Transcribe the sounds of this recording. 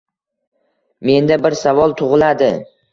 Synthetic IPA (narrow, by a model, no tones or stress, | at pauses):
me̞nd̪abɪɾsavɒlˠt̪ʰʊʁɨlad̪ɪ̰